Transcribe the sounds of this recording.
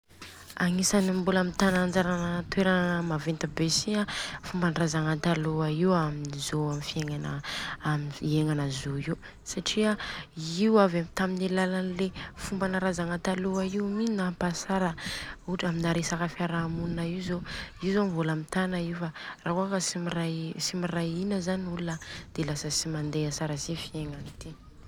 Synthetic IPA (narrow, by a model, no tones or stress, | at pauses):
aŋisanimbulamit̪anand͡ʒaɾanət̪weɾəmavent̪əbesiafumbanrazaŋant̪aluaiwaminizoamifieŋana̰miieŋanəzoiu | saʈ͡ʂiaiwavamit̪amineilːalanlefumbanəɾazaŋant̪aluaiuminapasaɾəuʈ͡ʂaminaɾesakafiaɾamunnaiwzoiwzomivolamit̪anaifaraɦuakəsimirajsimirajinəzanulunəd̪̥elasəsimand̪easaɾəsifieŋanit̪i